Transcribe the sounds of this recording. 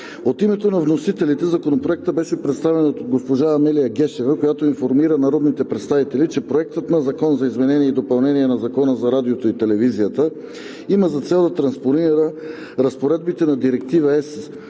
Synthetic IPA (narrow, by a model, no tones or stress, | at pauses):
ot̪imɛt̪onɐvnosit̪ɛlit̪ɛzɐkonopɾoɛk̚t̪əbɛʃɛpɾɛt̪st̪avɛnot̪oɡospoʒaːmɛlijəɡɛʃɛvəkojat̪oinfoɾmiɾənɐɾɔd̪nit̪ɛpɾɛt̪st̪avit̪ɛlit͡ʃɛpɾoɛk̚t̪ət̪nɐzɐkɔnzɐizmɛnɛniɛid̪opɐlˠnɛniɛnɐzɐkɔnəzɐɾad̪iot̪oit̪ɛlɛvizijət̪ə | iməzɐt̪sɛlˠd̪ɐt̪ɾɐnsponiɾə | ɾɐspoɾɛd̪̚bit̪ɛnɐd̪iɾɛk̚t̪ivəɛs